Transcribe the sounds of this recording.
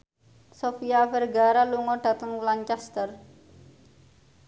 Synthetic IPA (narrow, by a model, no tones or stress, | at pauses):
sofiafɛrɡaɾaluŋɔɖ̥a̤t̪əŋwlaɲt͡ʃɛst̪ər